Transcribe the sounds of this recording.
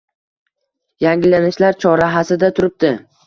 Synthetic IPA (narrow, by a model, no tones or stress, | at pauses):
jaŋɡʲɪlːanɪʃlaɾt͡ʃʰɒɾaɦasɪd̪at̪ʰʊɾɪp̚d̪ɪ